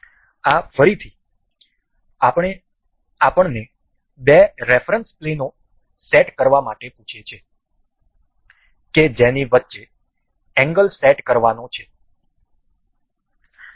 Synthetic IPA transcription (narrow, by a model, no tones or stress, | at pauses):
afəɾit̪ʰi | ɳe | apəɳne | beɾefɾənspleno | sɛʈkəɾʋamaʈepũt͡ʃʰet͡ʃʰe | ked͡ʒeniʋətːʃe | ɛ̃ŋɡəlsɛʈkəɾʋanõt͡ʃʰe